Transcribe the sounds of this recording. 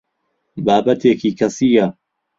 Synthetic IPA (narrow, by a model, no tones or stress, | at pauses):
baːbɐt̪ʰeːkʰiːkʰɐsiːjɐ